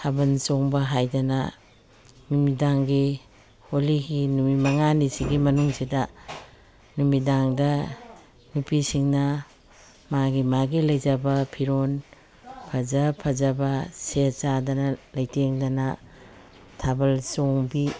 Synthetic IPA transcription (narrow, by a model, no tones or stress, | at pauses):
hʰabɐnsoŋbɐɦajdɐnɐ̰ | numidaŋɡi | holiɡinumimɐŋanisiɡimɐnuŋsidɐ | numidaŋdɐ | nupisiŋnɐ | maɡimaɡilɐjzɐbɐpʰiɾon | pʰɐzɐpʰɐzɐbɐset͡ʃadɐnɐlɐjteŋdɐnɐ | tʰabɐlsoŋbi